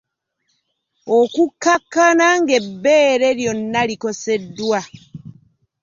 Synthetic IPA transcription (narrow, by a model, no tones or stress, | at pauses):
okukːakːanaŋɡe̞bːeːɾe̞ɾjo̞nːaliko̞se̞dːwa